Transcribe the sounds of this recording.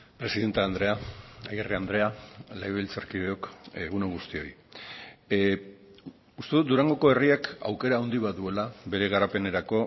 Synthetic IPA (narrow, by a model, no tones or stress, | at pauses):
pɾe̞siðe̞nt̪aːnd̪ɾe̞aajeriand̪ɾe̞alajβlt͡saɾkieokeɣuneɣust̪io̞j | ust̪e̞ðut̪d̪uɾaŋɡo̞ko̞e̞riaka̰wke̞ɾaond̪iβaðue̞laβe̞ɾe̞ɣaɾape̞ne̞ɾako̞